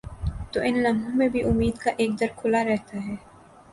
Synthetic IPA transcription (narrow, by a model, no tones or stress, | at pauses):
t̪oːʔɪnlɐ̃mõmẽbʱiʔʊmːiːd̪kaʔeːk̚d̪ɐɾkʰʊlaɾɛɦt̪aɦɛː